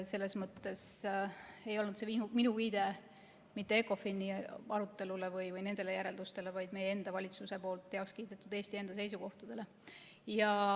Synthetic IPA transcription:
se̞lːe̞smɤt̪ːe̞s | e̞jo̞lnud̪se̞inuminuviːd̪̥e̞ | mit̪ːeekːˑo̞finiɑɾut̪ˑːe̞lule̞vɯjvɯjne̞nd̪̥e̞le̞jæɾe̞ld̪ust̪e̞levɑjd̪̥mejee̞nd̪̥ɑvɑlʲit̪suse̞po̞ːlt̪ːe̞ɑokskiːd̪et̪ːˑud̪e̞ːst̪ie̞nd̪̥ɑse̞jsuko̞ht̪ɑd̪̥e̞le̞ | jɑ

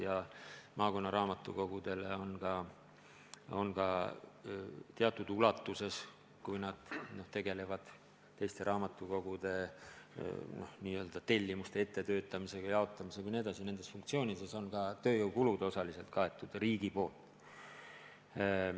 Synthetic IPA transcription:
jɑmɑːko̞nːɑɾɑːmɑt̪ːˑṵko̞ɡ̥ud̪̥e̞leo̞nkɑ | o̞̰nkɑ | t̪eɑt̪ːˑud̪̥ulɑt̪ːˑuse̞s | kujnɑd̪̥no̞ht̪e̞ɡe̞le̞vɑd̪̥ | t̪ːe̞jst̪e̞ɾʔɑːmɑt̪ːˑuko̞ɡ̥ud̪̥e̞ | no̞̰hniːø̞ːld̪̥ɑt̪e̞lʲːimust̪e̞e̞t̪ːe̞t̪ø̞ːt̪ːˑɑmise̞ɡ̥ɑjɑɑot̪ːˑɑmisekujnie̞d̪ɑsine̞nd̪̥esfuŋk̚t̪sio̞ːnʲid̪e̞so̞nkɑt̪ø̞ːjowkulud̪o̞sɑlise̞lt̪̚kɑe̞t̪ːˑud̪̥riːɡ̥ipo̞ːlt̪ˑ

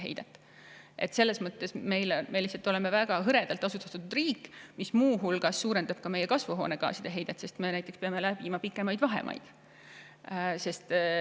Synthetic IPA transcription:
ɦḛjd̪̥et̪ːˑ | ʔe̞̰t̪ːse̞lːe̞smɤt̪ːe̞sme̞jlme̞lihsɑlt̪ːˑo̞le̞me̞væɡ̥ɑɦɤɾe̞d̪̥ɑlt̪ːˑɑsut̪ːˑɑ̥t̪ːut̪ud̪riːkːmismuːɦulɡ̥ɑsːuːɾend̪ɑb̥kɑme̞jːe̞kɑsvuɦo̞ːne̞ɡ̥ɑ̰ːsid̪̥e̞ɦe̞jd̪̥et̪ːˑse̞st̪me̞næjt̪ːˑekspeɑme̞læb̥imɑpikːˑe̞mɑjd̪vɑɦḛmʔɑ̰jd̪̥ | se̞st̪

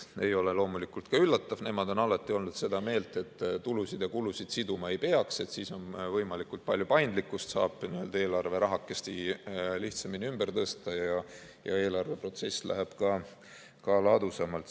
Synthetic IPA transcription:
e̞jo̞le̞lo̞ːmulikult̪kɑylːɑt̪ːɑvne̞mɑd̪̥o̞nɑlɑt̪ːˑio̞lnud̪̥se̞d̪ɑme̞ːlt̪ˑe̞t̪ːt̪ːulusid̪̥jɑkulusid̪̥sid̪umɑe̞jpe̞ɑkse̞t̪siːso̞nvɤjmɑlikult̪̚pɑlʲjupɑjnd̪likːˑust̪sɑːb̥niø̞ld̪ɑe̞ːlɑrve̞ɾɑɦɑkːˑe̞st̪iliht̪sɑminʲiymbert̪ɤst̪ɑjɑ | jɑ̰e̞ːlɑrve̞pro̞t̪se̞sːlæ̰ɦæb̥kɑ | kɑlɑd̪̥usɑmɑlt̪

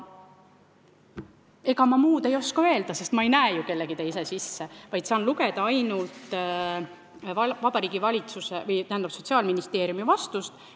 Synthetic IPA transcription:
e̞ɡ̥ɑmɑmuːd̪̥e̞jo̞skɑø̞eld̪̥ɑse̞st̪mɑe̞jnæeːjuke̞lːe̞ɡ̥it̪eis̬esisːevɑjd̪̥sɑːnluɡe̞d̪ɑɑjnult̪ | vɑvɑb̥ɑɾiːɡ̥ivɑlʲit̪susevɤjt̪æhænd̪ɑb̥so̞t̪ʲsiɑːlminist̪e̞ːɾijumivɑst̪ust̪

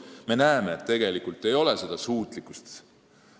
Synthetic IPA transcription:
me̞næemeːt̪ːe̞ɡ̥e̞likult̪ːˑe̞jo̞le̞se̞d̪̥ɑsuːt̪ˑlikːˑu̥st̪

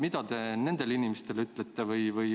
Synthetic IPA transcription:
mid̪ɑt̪e̞ne̞nd̪̥e̞linimest̪e̞lyt̪ːˑlet̪ːevɯjvɯj

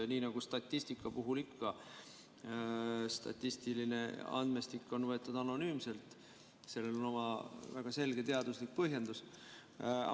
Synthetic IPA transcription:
niːnɑɡ̥ust̪ɑt̪ʲːisʲt̪ikːˑɑpuɦulikːɑ | st̪ɑ̰t̪ˑːist̪iline̞̰ɑ̰nd̪̥mest̪ikːˑo̞nvɤe̞t̪ːˑud̪̥ɑno̞nyːmse̞lt̪ˑ | se̞lːe̞lo̞no̞mɑvæɡ̥ɑse̞lɡ̥e̞t̪e̞ɑd̪̥uslik̚pɤɦje̞nd̪̥us

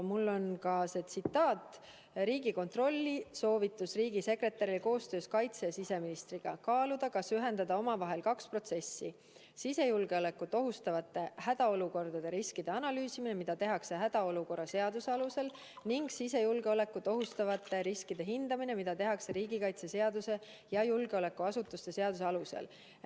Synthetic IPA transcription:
mulːo̞nkɑse̞t̪sit̪ːˑɑːt̪ | ɾiːɡiko̞nt̪ro̞lʲːiso̞ːvit̪ːˑusriːɡise̞kre̞t̪ːˑɑɾilko̞ːst̪ø̞ːskɑjt̪sesise̞minist̪riɡ̥ɑ̰kɑːlud̪̥ɑkɑsyɦe̞nd̪ɑd̪ɑo̞mɑvɑɦe̞lkɑkspro̞t̪se̞sːi | sise̞julɡ̥e̞ole̞kːut̪ːˑo̞ɦust̪ɑvɑt̪ːˑe̞hæd̪̥ɑo̞luko̞rd̪ɑd̪̥e̞ɾiskid̪̥e̞ɑnɑlyːsimine̞mid̪ɑt̪e̞ɦɑkse̞ɦæd̪̥ɑo̞luko̞rːɑse̞ɑd̪̥useɑluse̞l | niŋɡ̥sise̞julɡe̞o̞le̞kːut̪o̞ɦust̪ɑvɑt̪ːˑe̞ɾiskid̪̥e̞ɦind̪̥ɑmine̞mid̪̥ɑt̪e̞ɦɑkse̞ɾiːɡikɑjt̪sese̞ɑd̪use̞ | jɑjulɡ̥eole̞kːuɑsut̪ːˑust̪e̞seɑd̪̥use̞ɑluse̞̰l

